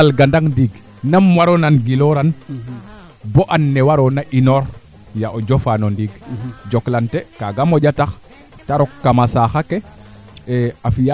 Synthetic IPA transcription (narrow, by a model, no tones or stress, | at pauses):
alɡandaŋndiɡ | namwaɾonanɡiloɾan | boʔanːɛwaɾonaʔinoɾ | jaʔod͡ʒofanondiɡd͡ʒoklantekaɡamoɟatax | taɾokːamasaxake | eafija